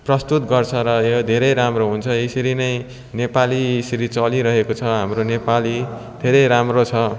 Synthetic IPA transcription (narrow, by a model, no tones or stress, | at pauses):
prʌst̪ut̪ɡʌrt͡sʰʌɾʌjod̪ʱeɾʌjɾamroɦunt͡sʰʌesʌɾinʌj | nepalisʌɾit͡sʌliɾʌɦekot͡sʰʌɦamronepali | d̪ʱeɾʌjɾamrot͡sʰʌ